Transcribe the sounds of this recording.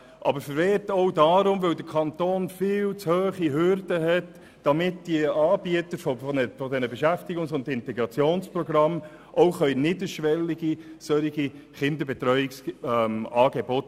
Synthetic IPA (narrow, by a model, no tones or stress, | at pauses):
ʔɑ̰bəɾfəɾʋɛːtɔʊdɑːɾʊmʋœldəkʰɑnt̪oːnfɪːlt͡shøːχiɦʏɾdəɦɛt | d̥ɑmɪtd̥iɑːb̥iətəɾfɔfɔnɛfɔdɛnəbɛʃæftiɡʊŋsʊndɪntɛɡɾɑt͡sjoːnspɾɔɡɾɑm | ʔoʊχœʏnɪdəɾʃʋɛlːiɡisœɾiɡ̥iχɪnd̪əbɛt̪ɾœʏɪksmɑːɡebɔt